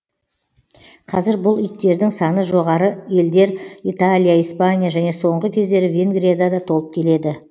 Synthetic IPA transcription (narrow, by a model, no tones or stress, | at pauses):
qʰɑzɪɾbʊlˠʏjt̪ːe̞ɾd̪ɪŋsɑnəʒo̞ʁɑɾəje̞ld̪e̞ɾit̪alʲˠijaijspanʲijaʒæne̞so̞ɴʁəkʲʰe̞zd̪e̞ɾɪvʲe̞ŋɡɾiad̪ad̪ɑt̪ʰo̞lˠəp̚kʲʰe̞le̞d̪ɪ